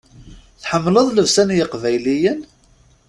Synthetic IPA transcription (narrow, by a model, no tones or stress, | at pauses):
θħəmːləðˤləvsænjəqvæjlijən